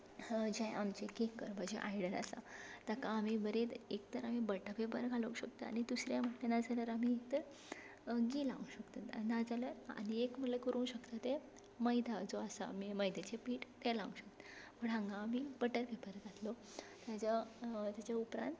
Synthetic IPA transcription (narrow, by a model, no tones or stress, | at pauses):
d͡ʑajʔamt͡ɕekekːəɾbad͡ʑḛʔa̰jɽəna̰sa̰t̪akaːm̤ibəɾet̪ekt̪əɾam̤ibəʈapebəɾɡʱalokɕəkt̪əa̰ɽ̃id̪usɾjaməʈlenad͡zaləɾamiek̚t̪əɾ | ɡiːlaʋũɕəkt̪ənad͡zaləɾa̰ñiekm̤əɽlekəɾũːɕəkt̪at̪e | məjd̪ʱad͡zoasa̰miməjd̪ʱet͡ɕepiːʈt̪ɛlaʋũɕək̚t̪ə̥pəɽãŋɡaːmiːbəʈəɾpebəɾɡʱat̪lo | t̪jad͡ʑat̪jat͡ɕaupɾã̰nt̪